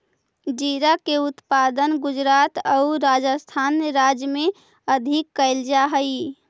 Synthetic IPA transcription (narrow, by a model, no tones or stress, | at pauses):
d͡ʒiɾakeut̪pad̪ənɡud͡ʒɾat̪əuɾad͡ʒəst̪ʰanɾad͡ʒjme | əd̪ʱikːəɪld͡ʒaɦəj